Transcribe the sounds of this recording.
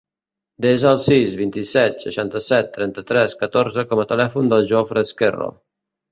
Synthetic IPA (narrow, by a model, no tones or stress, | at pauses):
d̪ɛzəːlˠsizβint̪isɛt̪sə̰ʃant̪əsɛt̪ːɾɛnt̪ət̪ɾɛskət̪oɾzəkɔmət̪əlɛfund̪əlˠʒofɾəskɛ̰ro̰